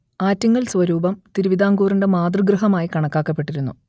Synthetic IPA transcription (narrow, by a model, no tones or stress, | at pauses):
aːtːɐŋːɐɭsʋɐɾuːbɐmt̪iɾuʋid̪aːŋɡuːrinde̞maːd̪rɨɡrɨɦɐmaːjikɐɳɐkːaːkːɐpːe̞ʈːiɾunːṵ